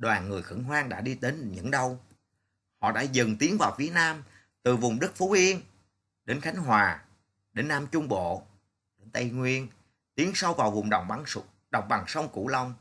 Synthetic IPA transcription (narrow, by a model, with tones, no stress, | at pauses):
ɗwaː˨˩nŋɨ˨˩əjxɨ̰˧˥ŋɦwaː˧ŋɗa̰ː˧˥ɗi˧t̪e˨˦nɲɨ̰˧˥ŋɗə˧w | hɔ̰˧˨ɗa̰ː˧˥zɨ˨˩ŋt̪i˨˦əŋvaː˨˩wfi˨˦ət̚naː˧m | t̪ɨ˨˩vʊ˨˩ŋ͡mɗɨ˦˥k̚fu˨˦ʔi˧ən | ɗe˨˦nxa˨˦jŋ̟ɦwaː˨˩ | ɗe˨˦nːaː˧mt͡ɕʊ˧ŋ͡mɓo̰˧˨ | ɗe˨˦nt̪a˧jŋwi˧ən | t̪i˨˦əŋsa˧wvaː˨˩wvʊ˨˩ŋ͡mɗə˨˩wŋ͡mɓa˧˩ŋ˧ | ɗɔ˨˩wŋ͡mɓa˨˩ŋsə˧wŋ͡mkṵ˧˩lə˧wŋ͡m